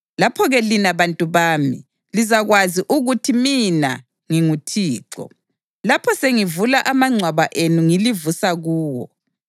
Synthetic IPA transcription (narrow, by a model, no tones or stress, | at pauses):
lapʰɔɣɛlinaβantʼuβaːmḭ | lizaɣwaziʔuɣutʰimina | ŋiŋutʰiːǁɔ̰ | lapʰɔseŋivulaʔamaŋ͡ǀʱwaβaʔenuŋilivusaɣuːwɔ̰